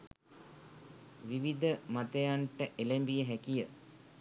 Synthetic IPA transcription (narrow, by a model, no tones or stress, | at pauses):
ʋiʋid̪əmat̪ejaɳʈəʔelembijəɦækijə